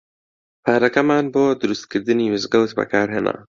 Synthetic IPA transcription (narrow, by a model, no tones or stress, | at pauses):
paɾakamaːnboːd̪uɾust̪̚kiɾd̪ɨniuzɡawt̪ba̰kaːɾɦena̰